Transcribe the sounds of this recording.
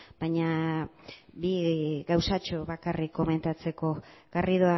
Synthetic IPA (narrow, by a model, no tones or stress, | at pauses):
b̥ajɲa | biɣawsat͡ʃoβakarikːo̞me̞nt̪at͡se̞ko̞ɣ̥ariðoa